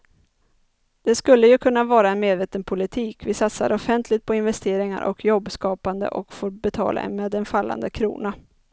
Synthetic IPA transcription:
d̪̥ɛskɵlːəjɵkʰɵnːavɑːɾaɛnmeːd̪veːt̪ənpʰʊlɪt̪ʰiːkvɪsat̪sa̰ɾɔfɛnt̪ʰlɪt̪̚pʰɔɪnvɛst̪eːɾɪŋa̰ɾʔɔ̰kʰjɔbːskɑːpand̪ə̰ʔɔkfoːɾbɛt̪ʰɑ̰ːla̰ɛ̰nmeːd̪ɛnfalːa̰nd̪əkʰɾṵːna

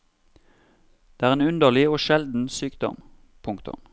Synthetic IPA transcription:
d̪̥eːæːʁeːnʉnd̪əʁlɪoːʃɛld̪n̩syːkd̪ɔ̰m | pʰʊŋkt̪ʊ̰m

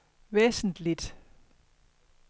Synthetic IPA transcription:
ʋeːsn̩lid̥

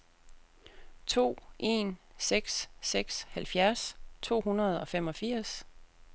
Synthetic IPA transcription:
t͡sʰo̝̰ːʔe̝̰nseɡ̥sːeɡ̥shælfjæɐst͡sʰo̝̰ːɦunɐð̞ˠɒ̽fem̰ɒ̽fiɐ̰s

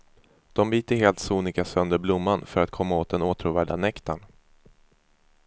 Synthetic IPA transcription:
d̪̥ɔmbiːt̪əɦeːlt̪suːnɪkasœnd̪əɾblʊmːanfœɾat̪̚kʰɔmːaoːt̪̚d̪ɛnuːt̪ʰɾuːvæːɖa̰nɛkt̪an

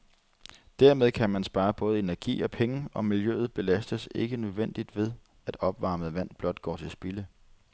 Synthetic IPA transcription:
d̥æɐ̰með̞ˠkʰæmænsb̥ɑ̈ːb̥ɔ̽ːð̞̩ˠe̝næɐɡ̥ḭːɒ̽pʰeŋəɒ̽miljø̰ːð̞̩ˠb̥e̝læsd̥əse̝ɡ̥ənøðˠʋen̰d̥id̥ʋe̝ð̞ˠ | æd̥ɒ̽b̥ʋɑ̈ːmð̩ˠʋæn̰b̥lɒ̽d̥ɡ̥ɒ̰ːt͡sʰe̝lsb̥ilə

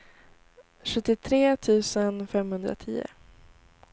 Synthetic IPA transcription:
ɧɵt̪ːɪt̪ʰɾeːt̪ʰʉ̟ːsənfɛmhɵnd̪ɾa̰t̪ʰiːʊ̰

